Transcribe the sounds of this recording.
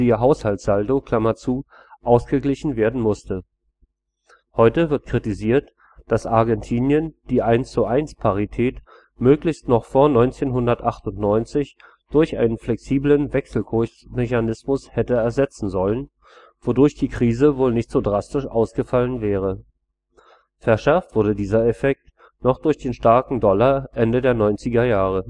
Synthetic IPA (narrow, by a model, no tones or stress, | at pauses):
d̥iːɐɦaʊshaltz̥aldokʰl̥amɐt͡suː | ʔaʊsɡ̥əɡlɪçn̩veːɐdn̩mʊstə | hɔʏtəvɪɐt̚kʁ̥itiziːɐt | d̥asʔaɐɡɛntʰiːnjənd̥iːʔaɪnst͡suʔaɪnspʰaʁ̞itʰɛːt | møːklɪçstnɔχfoːɐnɔʏnt͡seːnɦʊndɐtʔaχtʊntnɔʏnt͡sɪç | d̥ʊɐçʔa̰ɪnənflɛksiːblənvɛksl̩kʰʊçmɛçanɪsmʊshɛtəɛɐzɛt͡sn̩zɔlən | v̥odʊɐçd̥iːkʁ̥iːzəvoːlnɪçtz̥oːdʁastɪʃʔa̰ʊsɡ̥əfalənvɛːʁ̞ə | fɛɐʃɛɐftv̥ʊɐdədiːzɐɛfɛk̚t | nɔχd̥ʊɐçd̥eːnʃtaɐkŋ̩dɔlaʔɛndədeːɐnɔʏnt͡sɪɡɐjaːʁ̞ə